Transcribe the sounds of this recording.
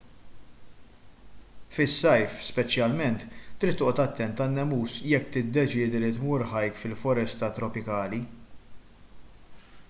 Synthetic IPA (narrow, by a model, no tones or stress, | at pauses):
fɪsːɐjfspɛt͡ʃjɐlmɛnt̪ːɾiːt̪ːɔːʔɔt̪ɐt̪ːɛnt̪ɐnːɛmuːsjɛkːt̪ɪd̪ːɛt͡ʃɪːd̪ilit̪muːɾħɐjkfɪlfɔɾɛst̪ɐt̪ɾɔpɪkɐːli